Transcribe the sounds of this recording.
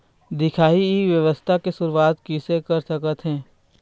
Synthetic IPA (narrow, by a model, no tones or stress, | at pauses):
d̪ɪkʰaːiʋjəʋəst̪ʰakesʊɾuwaːt̪kisekɐɾsɐkət̪ɦɛ̃ː